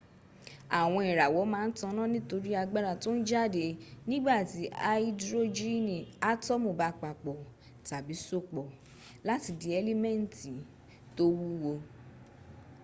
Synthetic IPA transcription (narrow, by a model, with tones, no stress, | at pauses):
a˨w̃ɔ̃˧i˨ɾa˨wɔ˨˦mãː˦n̩˦tã˧˦nã˦nĩ˦to˧ɾi˦a˧ɡ͡ba˦ɾa˧˨to˦n̩˦d͡ʒa˦˨de˨nĩ˦ɡ͡ba˦˨ti˨˦a˦i˦dɾo˦d͡ʒi˦nĩ˨a˦tɔ˦mõ˦˨ba˨˧k͡pa˨k͡pɔ˨ | ta˨bi˨˦so˦˨k͡pɔ˨ | la˦ti˧de˨˧ɛ˧le˦mɛ̃˦˨n˨ti˨ | to˦wu˦wo˧